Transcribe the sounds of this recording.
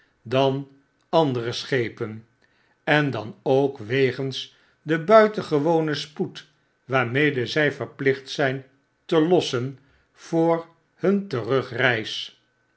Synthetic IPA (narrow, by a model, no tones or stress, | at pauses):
dɑn | ɑndərəsχejpən | ɛndɑnowkʋejχəns | dəbœɥtənχəʋownəsput | ʋaːɹmejdəzɛjfəɹplɪχtsɛjn | təlɔsən | v̥ʊːɹ | hɵntərɵχrɛjs